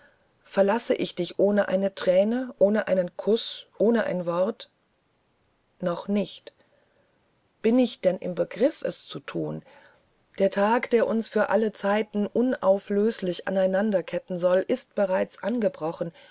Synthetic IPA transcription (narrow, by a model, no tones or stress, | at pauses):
fɛɐlasəʔɪçd̥ɪçʔoːnəʔa̰ɪnətʁ̥ɛːnəʔoːnəʔaɪnənkʰʊsʔoːnəʔa̰ɪnvɔʁt | nɔχnɪçt | b̥ɪnɪçd̥ɛnʔɪ̰mbəɡʁɪfɛ̰st͡sutʰuːn | d̥eːɐtʰaːkd̥eːɐʔʊnsfyːɐʔalət͡saɪtn̩ʔʊnaʊfløːslɪça̰naɪnandɐkʰɛtn̩zɔlʔɪst̚b̥əʁ̞aɪt͡sʔanɡəbʁɔχn̩